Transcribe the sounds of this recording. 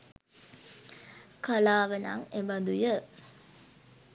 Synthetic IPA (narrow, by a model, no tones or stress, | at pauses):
kalaːʋəna̰ŋebad̪ujə